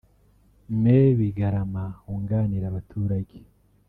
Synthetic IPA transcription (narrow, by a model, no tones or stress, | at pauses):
meβiɡaɾamahuːŋɡaːniɾaβatʰuːɾaɟe